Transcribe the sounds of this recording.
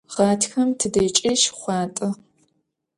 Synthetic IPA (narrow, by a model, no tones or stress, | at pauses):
ʁ̥ɑːtʰxɐmtʰɨdɐːt͡ʃʼɐʃχʷɑːtʼɨ